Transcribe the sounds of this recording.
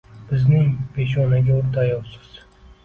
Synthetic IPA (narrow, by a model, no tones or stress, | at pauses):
b̥ɪznɪŋpe̞ʃɒnaɡʲaʊɾt̪ʰajɒwsɪ̥z̥